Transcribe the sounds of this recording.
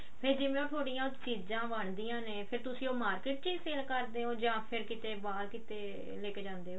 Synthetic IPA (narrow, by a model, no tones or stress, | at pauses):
pʰɪɾd͡ʒɪʋẽːõːt̪ʰoːɽijãːt̪t͡ʃiːd͡ʒãːʋəɳd̪iːãːneːpʰɪɾt̪ʊsĩːoːmaːɾkeːʈ̚t͡ʃiːzseːlkəɾd̪eːɦõːd͡ʒãːpʰɪɾkɪt̪eːbaːlkɪt̪eː | leːkːd͡ʒãːnd̪eːɦoː